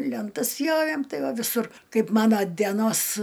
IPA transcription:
lʲɛnˈtɐs ˈpʲjoːʋʲeːm ˈtɐɪ ˈʋɐ ʋʲɪˈsʊr ˈkɐɪp ˈmɑːnoː dʲiɛˈnoːs

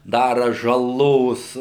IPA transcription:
ˈdɑːrɐ ʒɐˈlˠoːs

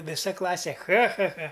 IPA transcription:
ʋʲɪˈsɐ ˈklˠɑːsʲeː ˈxɐ ˈxɐ ˈxɐ

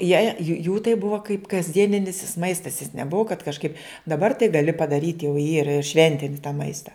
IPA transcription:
jɛɪ juː tɐɪ ˈbʊʋɐ kɐɪp kɐzʲˈdʲiɛnʲɪnʲɪs jɪs ˈmɐɪstɐs jɪs nʲɛˈbʊʋɐ kɐt kɐʃˈkɐɪp dɐˈbɐr tɐɪ ɡɐˈlʲɪ pɐdɐˈrʲiːtʲ jɛʊ ˈiːrɐ ɪr ˈʃʲʋʲɛnʲtʲɪnʲɪ tɑː ˈmɐɪstɐ

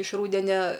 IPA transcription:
ɪʃ ˈruːdʲɛnʲɛ

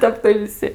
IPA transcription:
ˈtʲɛp tɐɪ ʋʲɪˈsʲɪ

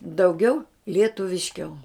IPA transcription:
dɐʊˈɡʲɛʊ lʲiɛtʊʋʲɪʃʲˈkʲɛʊ

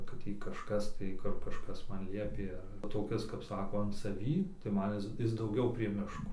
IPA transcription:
kɐt ˈtʲiː kɐʃˈkɐs tɐɪ ˈkʊr kɐʃˈkɐs ˈmɐn ˈlʲiɛpʲeː ɐr toːˈkʲɪs kɐp ˈsɑːkoː ɐn sɐˈʋʲiː tɐɪ ˈmɐn ˈɪs ˈɪs dɐʊˈɡʲɛʊ pʲrʲiɛ ˈmʲɪʃkoː

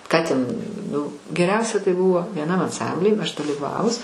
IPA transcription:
ˈkɑː tʲɛn ˈnʊ ɡʲɛˈrʲɛʊsʲɛ tɐɪ ˈbuːʋoː ʋʲiɛˈnɐm ɐnˈsɐmʲbʲlʲiː ɐʃ dɐlʲiːˈʋɑːʋʊs

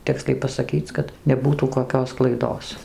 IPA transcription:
ˈtʲɪksʲlʲɛɪ pɐsɐˈkʲiːt͡s kɐt nʲɛˈbuːtuː koːˈkʲoːs klˠɐɪˈdoːs

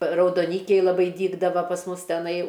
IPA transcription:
rɐʊdoːˈnʲiːkʲɛɪ lˠɐˈbɐɪ ˈdʲiːɡdɐʋɐ pɐs ˈmʊs tʲɛˈnɐɪ

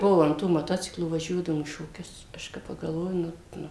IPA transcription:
ˈbuɔ ɐn ˈtuː moːˈtoːt͡sʲɪklˠuː ʋɐˈʒʲuɔdɐʋoːm iː ʃoːˈkʲʊs ˈɐʃ kɐɪ pɐɡɐlˠˈʋoːjʊ ˈnʊ ˈnʊ

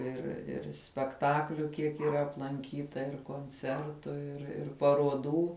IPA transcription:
ɪr ɪr sʲpʲɛkˈtɑːklʲʊ ˈkʲiɛk iːˈrɐ ɐplˠɐŋʲˈkʲiːtɐ ɪr koːnʲˈt͡sʲɛrtʊ ɪr ˈɪr pɐruɔˈduː

